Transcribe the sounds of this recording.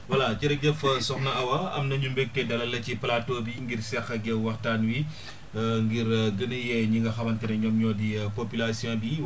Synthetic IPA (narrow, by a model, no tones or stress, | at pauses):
wɐlaciɾɛk̚dɛfɐsɔxnɐɐwɐɐ̰mnɐɲumbɛk̚tɛdɐlɐlɐciplatoːbiŋɡirsɛxɐɡɛwɐxtaːnwi | ŋɡiɾɡənəjɛɲiŋɡɐxɐmɐntɛnɐɲɔːmɲɔːdipopylasijɔ̃ːbi